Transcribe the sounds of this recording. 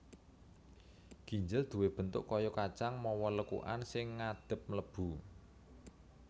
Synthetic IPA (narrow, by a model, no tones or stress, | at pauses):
ɡ̥i̤ɲd͡ʒəld̪̥ṳweb̥ə̤nt̪ʊ̰ʔkɔjɔkḁt͡ʃaŋmɔwɔləkṵʔa̰nsɪŋːad̪̥ə̤p̚mləb̥ṳ